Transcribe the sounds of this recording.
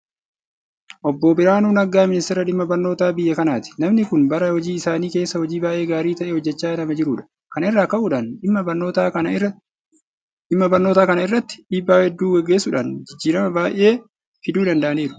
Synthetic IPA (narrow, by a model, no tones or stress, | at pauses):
ʔɔbːɔːbɪɾaːnuːnɐɡaːmɪnɪst̪ɛɾɐᶑɪmːɐbɐɾno̞ːt̪aːbɪjːɛkɐnaːt̪ɪ̥nɐmnɪkʊnbɐɾɐhɔd͡ʒiːɪsaːniːke̞ːsːɐhɔd͡ʒiːbaːʔe̞ːɡaːɾiːt̪ɐʔeːhɔd͡ʒːɛt͡ʃːaːnɐmɐd͡ʒɪɾʊːᶑɐ̥ | kɐnɛrːaːkɐʔuːᶑanɪmːɐbɐnoːt̪aːɐ | ɪmːɐbɐɾno̞ːt̪aːkɐnɐɪrːɐt̪ːɪ̥ᶑiːbːaːhɛd̪ːuːwɛɡːe̞ːsʊᶑaːnd͡ʒɪd͡ʒːiːɾɐmɐbaːʔe̞ː | fɪd̪uːᶑ̪ɐnd̪ɐʔɐniːɾʊ̥